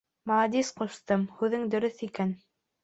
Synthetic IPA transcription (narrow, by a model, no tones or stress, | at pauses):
mɑɑd̪isqŏst̪ɤmhʉðɘŋd̪ɵ̆ɾɵθikæn